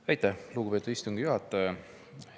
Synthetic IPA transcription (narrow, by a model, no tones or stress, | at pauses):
væjt̪ːˑæhluːɡupet̪ud̥̪ist̪uŋɡ̥ijuɦɑt̪ːˑ